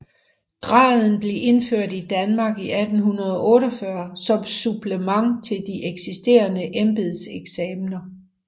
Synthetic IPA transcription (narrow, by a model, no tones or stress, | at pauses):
ɡ̥ʁɑ̰̈ːð̞ˠn̩b̥le̝ʔe̝nføɐ̰d̥id̥ænmɑ̈ːɡ̥iʔæd̥n̩ɦunɐð̞ˠɒʔɔ̽ːɾɒfɶɐsɒ̽msub̥ləmɑ̈ŋ̰t͡sʰe̝ld̥iʔeɡ̥sisd̥e̝̰ːɐnəʔemb̥eðˠseɡ̥sɛːmnɐ